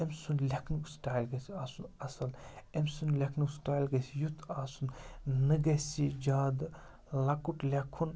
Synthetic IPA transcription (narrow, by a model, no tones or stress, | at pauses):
emsunlʲɐkʰnuksʈaːjlɡɐsiaːsunɐsɐlemsunlʲɐkʰnuksʈaːjlɡɐsijut̪ʰaːsunnɨɡɐsid͡ʒaːd̪ | lɐkuʈlʲɐkʰːun